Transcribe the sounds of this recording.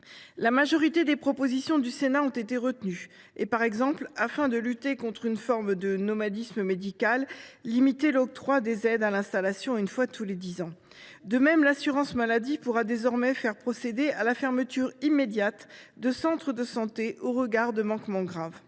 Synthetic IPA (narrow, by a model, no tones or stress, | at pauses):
lamaʒɔʁit̪ed̪epχɔpozisjɔ̃d̪ysenaɔ̃t̪et̪eʁət̪ny | epaʁɛɡzɑ̃plafɛ̃d̪əlyt̪ekɔ̃t̪χynfɔʁmd̪ənɔmad̪isməmed̪ikalːimit̪elɔk̚t̪χwad̪ezɛd̪alɛ̃st̪alasjɔ̃ynfwat̪ʰuled̪izɑ̃ | d̪əmɛmlasyʁɑ̃smalad̪ipuʁad̪ezɔʁmɛfɛʁpχɔsed̪ealafɛʁmət̪yʁimed̪jat̪d̪əsɑ̃t̪χəd̪əsɑ̃t̪eʔoʁəɡaʁd̪əmɑ̃kmɑ̃ɡʁav